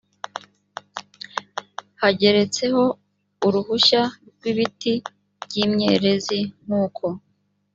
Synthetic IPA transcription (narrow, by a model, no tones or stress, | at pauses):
haɟe̞ɾe̞t͡se̞ho̞ | uɾuhuʃaɡwiβiti | bɟimɲe̞̰ɾe̞zin̥uːkʰo̞